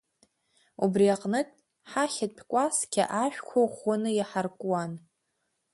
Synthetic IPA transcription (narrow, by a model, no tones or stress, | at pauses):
ubriaqʼnɨtʼ | ħaχʲatʼpʲʰkʷʼaskʲʰa̰ʔaʃᶣkʷʰoχʊnɨjaħarkʼwan